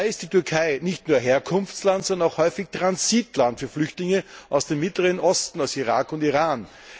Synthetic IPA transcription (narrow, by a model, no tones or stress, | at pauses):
ɪɪst̚d̥iːtʏɐkʰaɪnɪçtnuːɐɦeːɐkʰʊnftt͡slantsɔndənaʊxhɔʏfɪçtʁ̥ansitlantfyːɐflʏçtlɪŋəʔaʊsd̥emɪtləʁənʔɔstn̩aʊsiʁaːkʊntiʁaːn